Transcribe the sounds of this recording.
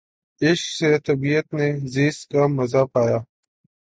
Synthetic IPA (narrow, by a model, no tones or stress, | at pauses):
ɪʃkset̪ɐbijət̪neziːskamːɐzapaːjaː